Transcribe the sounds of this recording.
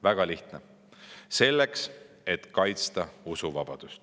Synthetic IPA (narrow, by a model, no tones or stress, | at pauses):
væɡ̥ɑliht̪ne | se̞lːeks | et̪kɑjt̪st̪ɑusuvɑb̥ɑd̪̥ust̪